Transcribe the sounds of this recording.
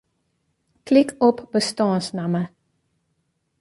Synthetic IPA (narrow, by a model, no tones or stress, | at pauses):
klɪkʰɔpbəstɑːnsnamə